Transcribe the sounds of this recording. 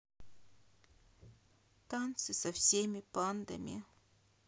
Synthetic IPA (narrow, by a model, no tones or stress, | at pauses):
t̪ant̪sɨsɐfsʲemʲɪpand̪ɐ̰mʲɪ̰